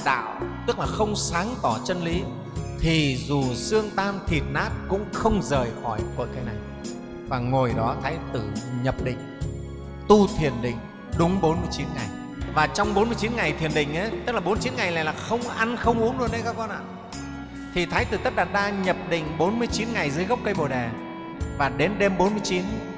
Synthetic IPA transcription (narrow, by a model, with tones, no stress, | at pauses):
ɗa̰ː˧˨wt̪ɨ˦˥k̚laː˨˩xə˧wŋ͡msaː˨˦ŋt̪ɔ˧˩t͡ɕə˧nli˨˦ | t̪ʰi˨˩zu˨˩sɨ˧əŋt̪aː˧mt̪ʰi˨˩t̚naː˦˥t̚kʊ̰˧˥ŋ͡mxə˧wŋ͡mzəː˨˩jxɔ˧˩jkə̰˧˨˩jkaː˨˦jna˨˩j | vaː˨˩ŋo˨˩jɗɔ˨˦t̪ʰaː˨˦jt̪ɨ˧˩ɲə˨˩p̚ɗḭ˧˨ŋ̟ | t̪u˧t̪ʰi˨˩ənɗḭ˧˨ŋ̟ | ɗʊ˨˦ŋ͡mɓo˨˦nmɨ˧əjt͡ɕi˨˦nŋa˨˩j | vaː˨˩t͡ɕɔ˧wŋ͡mɓo˨˦nmɨ˧ət͡ɕi˨˦nŋa˨˩jt̪ʰi˨˩ənɗï˧˨ŋ̟ʔə˨˦jt̪ə˦˥laː˨˩ɓnmː˧t͡ɕi˨˦nŋa˨˩jla̰ː˨jlaː˨˩xə˧wŋ͡mʔa˧nxə˧wŋ͡mʔu˨˦əŋɗu˧ənɗə˧˦jkaː˦˥kɔ˧nʔa̰ː˧˨ | t̪ʰi˨˩t̪ʰaː˨˦jt̪ɨ˨˩t̪ə˦˥t̚ɗaː˨˩t̚ɗaː˧ɲə˨˩p̚ɗḭ˧˨ŋ̟ɓo˨˦nmɨ˧əjt͡ɕi˨˦nŋa˨˩jzɨː˨˦jɣwk͡p̚kə˧jɓo˨˩ɗɛ˨˩ | vaː˨˩ɗe˨˦nɗe˧mɓo˨˦nmɨ˧əjt͡ɕi˨˦n